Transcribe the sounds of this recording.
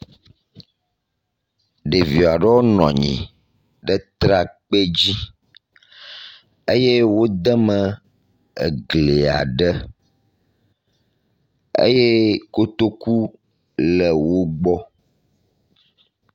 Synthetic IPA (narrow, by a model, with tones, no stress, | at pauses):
ɖe˨vi˨a˨ɖɛ˦wo˦nɔ̰̃˨ɲḭ̃˨ | ɖə˦t̪ɾa˦k͡pe˦d͡ʑi˦ | e˦je˦wo˦d̪ə˦mə̃˨ | ḛ˨ɡle˨a̰˨ɖə˦ | ḛ˦je˦ko˦t̪o˦ku˦ | lə˨wo˦ɡ͡bɔ˦